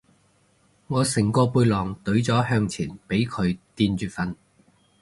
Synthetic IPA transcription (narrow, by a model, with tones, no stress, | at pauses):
ŋɔː˨˧sɪ˨˩ŋkɔː˧puː˧jlɔː˨˩ŋt̪ɵ˨˥ɥt͡sɔː˨˥hœː˧ŋt͡sʰiː˨˩npe˨˥jkʰɵ˨˧ɥt̪iː˧nt͡ʃyː˨˧t̚fɐ˧n